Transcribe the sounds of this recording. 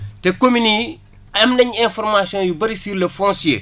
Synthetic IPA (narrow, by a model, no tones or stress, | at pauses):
tekomini | ɐmnɐɲɛ̃nfoɾmasiõːjubɐɾisiɾlɐfɔ̃nsḛ